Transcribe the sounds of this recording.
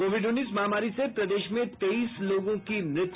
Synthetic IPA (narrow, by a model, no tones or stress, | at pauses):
koːʋɪɖʊnːiːsmaɦːmaːɾisepɾɐd̪eːʃmẽt̪eiːsloːɡõkimɾɪt̪